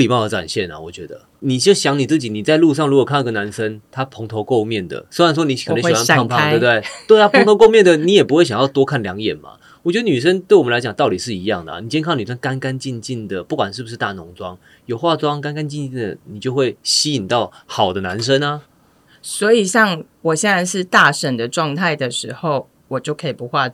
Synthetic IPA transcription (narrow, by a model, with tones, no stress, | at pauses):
li˨˩mɑ˥˩ə˧˩ʈ͡ʂwa̰˨˩nɕjɛ˥˩na̰˩wɔ̰˨˩t͡ɕɥɛ˧˦d̪ə̰˧˦ | ni˨˩t͡ɕjo˥˧ʊɕjɑ˧˥ŋni˨˩t͡sɹ̩˥˩t͡ɕi˨˦ni˨˩t͡sa˥˧ɪlu˥˧ʂ̬ɑ˥˩ŋlu˧˥kwɔ˨˩kʰa˥˧ni˥ɡə˩na˧˦nʂə˦nt̪ʰa˦˥pʰo˧˥ŋt̪ʰo˧˥ʊko˥˧ʊmjɛ˥˩nd̪ə̰˩sɪwa˥˩nswɔ˥ni˧˥kʰə˨˧˨a˥˧pʰa˥˨te˥˩˧t̪e˥˩ɪt̪we˥˩ɪt̪ʰa˥po˧˦˥ŋt̪o˧ʊko˥˧ʊmjɛ˥˩nd̪ə˩ni˨˥jɛ˨˩pu˥xwe˥˩ɪɕɑ˨˩ŋjɑ˥˧ʊt̪wɔ˥kʰa˥˩nljɑ˧˦ŋjɛ̰˨˩nma̰˨˩ | wɔ˨˩t͡ɕɥɛ˧˥d̪ə˧ny˨˩ʂ̬ə˦˥nt̪we˥˩wɔ˨˩ə˦la˧˥ɪt͡ɕɑ˨˩ŋt̪ɑ˥˩ʊt̪i˨˩ʂɻ̩˥˩i˧˦jɑ˥˩ŋd̪ə̰˩˨i˨˩t͡ɕjɛ˥˧nkʰɑ˥˩ŋny˨˩ʂ̬ə˥nka˦nka˦nt͡ɕi˥˧nt͡ɕi˥˩nd̪ə˩pu˥˩kwa˨nʂɻ̩˥˩bu˩ʂ̬ɻ̩˥˧t̪a̰˥˩nʊ˧˦˥ŋt͡swɑ̰˦ŋ | jo˨˩ʊxwa˥˧t͡swɑ˦ŋka˥˦nka˦nt͡ɕi˥˧nt͡ɕi˥˩nd̪ə̰˩ni˨˩t͡ɕjo˥˧ʊxwe˥˩ɪɕi˥i˨˩nt̪ɑ˥˩ʊxɑ˨˩ʊd̪ə˦na˧˦nʂ̬ə˦na˨ | swɔ˧˥i˨˩ɕɑ˥˩ŋ | wɔ˨˩ɕjɛ˥˧nt͡sa˥˧ɪʂɻ̩˥˧t̪a˥˩ʂə˨˩nd̪ə˩ʈ͡ʂwɑ˥˧ŋt̪ʰa˥˩ɪd̪ə˩ʂɻ̩˧˥xo˥˩ʊ | wɔ˨˩t͡ɕjo˥˩ʊkʰə˧˥i˨˩pu˧˥xwa˥˧